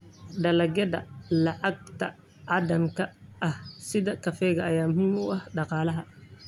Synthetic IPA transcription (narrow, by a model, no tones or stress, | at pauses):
ɖɐlɐɡɐd̪ɐ̰lɐʕaɡ̚t̪ʰɐ | ʕaːd̪ɐmkɐʔːhsɪðɐkɐfɛːɣɐːjaːmhumʊɐhɖɑqɑːlɐɦɐ